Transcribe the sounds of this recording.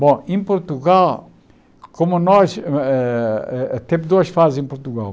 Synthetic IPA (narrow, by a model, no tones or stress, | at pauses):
bõẽpuɾt̪uɣalˠ | komuɐnɔʃɛɛt̪ẽpd̪oɐʃfazẽpuɾt̪uɣa̰lˠ